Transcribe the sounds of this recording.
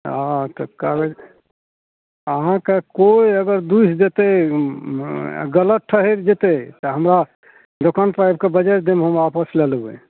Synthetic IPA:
at̪əkaɾe | əɦãkekoiəɡəɾd̪usd͡ʒet̪e | ɡələt̪̚ʈʰːəɦeɾd͡ʒet̪et̪əɦəmɾa | ɖokanpɾajb̚kebəd͡ʒəɾd̪emeɦəmapəslelbḛ

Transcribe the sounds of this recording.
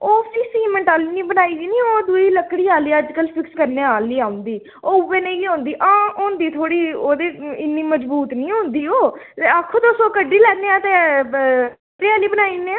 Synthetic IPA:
oːpʰɪksiːmɛ̃ːʈaːliːniːbənaːiːd̪iːnĩːoːd̪ʊiːləkːɽiːaːliːəd͡ʒkəlpʰɪkskəɾneːaːliːaːʊ̃nd̪iː | oːʊbeːnẽːkiːɦõːnd̪iːʔãːoːnd̪iːt̪ʰoːɽiːoːd̪eːɪnːiːməd͡ʒbuːt̪nĩːɦʊ̃nd̪iːoːt̪eːakʰːõːt̪osoːkəɖːiːlɛːneːãːt̪eː | pɾɪaːliːbənaːiːnẽː

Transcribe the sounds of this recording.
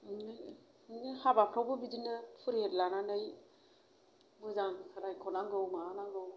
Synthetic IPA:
n | nihabapʰɾawbɯbidinɯpʰuɾetlananɯj | mɯzaŋkʰaɾajkʰɔnaŋɡɯwmaːnaŋɡɯw

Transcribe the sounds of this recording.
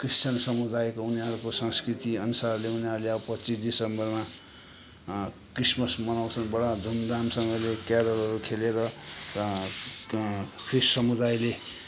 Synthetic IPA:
kristt͡sansʌmud̪ajkouniɦʌɾukosʌŋskrit̪iʌnusarleuniɦʌɾuleawpʌt̪t͡sisd̪isʌmbʌrma | krismʌsmʌnaw̃t͡sʰʌnbʌɽad͡z̪ʱumd̪amsʌŋɡʌlekaɾʌrɦʌɾukʰeleɾʌ | pʰissʌmud̪ajle

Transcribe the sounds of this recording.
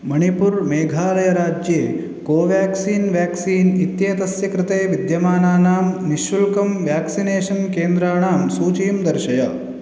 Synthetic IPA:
mɐɳipuɾmeːɡʱaːlɐjɐɾaːd͡ʒjeː | koːʋjaːksiːnʋjaːksiːnit̪jeːt̪ɐsjɐkɾɪt̪eːʋid̪jɐmaːnaːnaːmniʃʋulkɐmʋjaːksineːʃɐnkeːnd̪ɾaːɳaːmsuːt͡ʃiːmd̪ɐɾʃɐjɐ

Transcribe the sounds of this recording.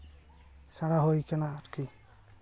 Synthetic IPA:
saɽaɦojkanaːtkʰi

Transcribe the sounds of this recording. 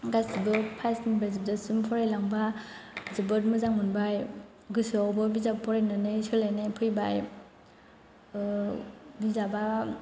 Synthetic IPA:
ɡasibɯpʰajsinbazib̚dasumpʰɔɾajlaŋba | zibɯtmɯzaŋmunbaj | ɡɯsɯawbɯbizabpʰɔɾananɯjsɯlanepʰɯjbaj | bizaba

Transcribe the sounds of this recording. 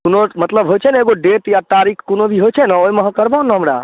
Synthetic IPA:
kunomət̪ləbɦojt͡ʃʰɛneɡoɖeʈjat̪aɾikʰkonobʱiɦojt͡ʃʰɛnəojməɦə̃kəɾbaonəɦəmɾa̰

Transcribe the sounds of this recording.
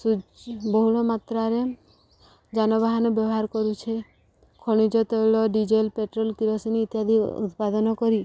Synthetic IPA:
subɔɦuɭɔmat̪ɾaɾe | d͡ʒanɔbaɦanɔbjɔbɔɦaɾkɔɾut͡ʃʰe | kʰoɽ̃id͡ʒɔt̪ɔjɭɔɖid͡ʒelpeʈɾɔlk̪iɾɔsiniːt̪jad̪ʱḭṵt̪pad̪ɔnɔkɔɾi

